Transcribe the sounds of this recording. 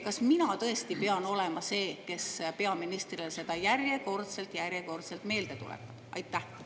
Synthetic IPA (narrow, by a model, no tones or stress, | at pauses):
kɑsminɑt̪ɤ̞e̞st̪ipe̞ɑno̞le̞mɑse̞ːke̞spe̞ɑminist̪rilese̞d̪̥ɑjærjeko̞rt̪se̞lt̪jærjeko̞rt̪selt̪me̞ːld̪e̞t̪ṵlḛt̪ːˑɑ̥ɑ̰jt̪ːæh